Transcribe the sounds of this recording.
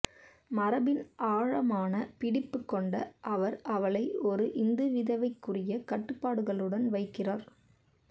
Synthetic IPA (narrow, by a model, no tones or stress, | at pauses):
mɐɾɐbɪnʔaːɻɐmaːnɐpɪɽɪpːɯkːɔɳɖɐʔɐʋɐɾɐʋɐɭɐɪɔɾɯʔɪnd̪ɯʋɪðɐʋɐɪkːɯrɪjɐkɐʈːɯpːaːɽɯɣɐɭɯɽɐnʋɐɪkːɪraːɾ